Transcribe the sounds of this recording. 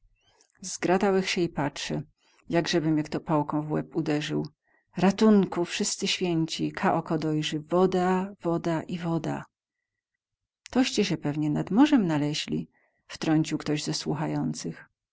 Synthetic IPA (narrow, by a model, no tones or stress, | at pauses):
zɡɾat̪awɘxɕɛipat͡ʂʂɛ | jaɡʐɛbɘmʲjakt̪ɔpawkɔ̃w̃vwɛ̰pud̪ɛʐɘw | ɾat̪uŋkufʂɘst̪sɘɕfʲjeɲt͡ɕikʰaʔɔkɔd̪ɔjʐɘvɔd̪avɔd̪aʔivɔd̪a̰ | t̪ɔɕt͡ɕɛɕɛpɛvɲɛnad̪mɔʐɛmnalɛʑlʲḭ | ft̪ɾɔɲt͡ɕiwkt̪ɔʑzɛswuxajɔnt̪sɘx